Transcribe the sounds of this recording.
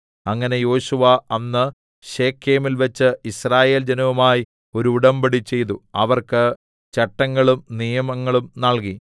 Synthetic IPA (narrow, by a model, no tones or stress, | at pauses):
ɐŋːɐne̞jo̞ːɕuʋɐɐnːɨ | ɕe̞ːkʰːe̞ːmilʋɐt͡ɕːɨisraːje̞ːld͡ʑɐnɐʋumaːji | o̞ɾuːɽɐmbɐɽit͡ɕe̞jt̪̬uɐʋɐrkɨ | t͡ɕɐʈːɐŋːɐɭumnijɐmɐŋːɐɭumnɐɭki